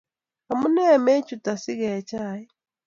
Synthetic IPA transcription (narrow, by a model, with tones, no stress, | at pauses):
a˨mu˦nɛ˦˨mɛ˦t͡ʃu˨ta˨si˦ɣɛ˨t͡ʃʰaː˦˨ji˦